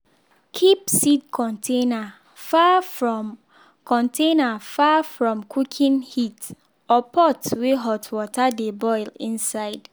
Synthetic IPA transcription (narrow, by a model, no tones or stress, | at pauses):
kʰip̚sid̚kʰɔ̃ntʰena | fafɹɔ̃m | kʰɔ̃ntʰenafafɹɔ̃mkʰukʰĩnhit | ɔpʰɔtweɦɔtʰwɔtʰadebɔɪlĩnsaɪd̥